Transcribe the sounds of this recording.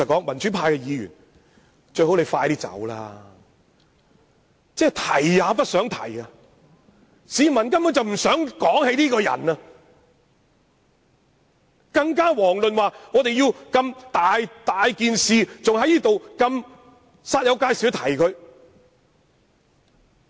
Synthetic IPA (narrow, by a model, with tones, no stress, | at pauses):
ɐ˨˩kɔː˨˥ŋmɐ˨˩nt͡ʃyː˨˥pʰaː˧jkɛː˧jiː˨˧jy̰ː˨˩n | t͡ʃɵ˧ɥho˨˥wle˨˧jfaː˧jt̪iː˥t͡sɐ̰˨˥wla̰ː˧ | t͡sɛː˥˩t̪ʰɐ˨˩jːaː˨˧pɐ˥t̚sœː˨˥ŋt̪ʰɐ̰˨˩ja˧ | siː˨˧mɐ˨˩nkɐ˥mjɔ˨˧˥t͡sɐ˨˩wm̩˨˩sœː˨˥ŋkɔː˨˥ŋhe˨˧˥jt̪iː˥kɔː˧jɐ̰˨˩nɐ˧ | kɐ˧ŋkaː˥wɔː˨˩ŋlɵ˨nwaː˨ŋɔː˨˧t̪e˨jiː˧wkɐ˧mt̪aː˨jt̪aː˨jkiː˨nsiː˨t͡sʊ˨ŋɦɐ˨˥jniː˥t̪o˨wkɐ˧m | saː˧t̚jɐ˨˧wkaː˧jsiː˨˥wt̪ʰɐ˨˩jkʰɵ˨˧ɥ